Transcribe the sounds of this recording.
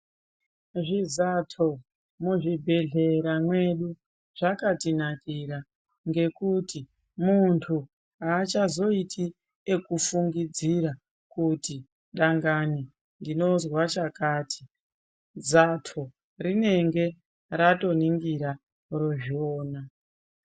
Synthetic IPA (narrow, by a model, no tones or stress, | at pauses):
ʐizatʰo̞ | muʐibʱe̞ɮe̞ɾamwe̞ɗu | ʐ̥akatinakiɾa | ŋɡe̞kuti | muntʰu | aːt͡ʃazo̞itʰi | ekufuŋɡid͡ziɾa | kuti | ɗaŋɡani | ndino̞zwat͡ʃakaːtʰi̥ | d͡zatʰo | rine̞ŋɡe̞ | ɾato̞niŋɡiɾa | roʒioːna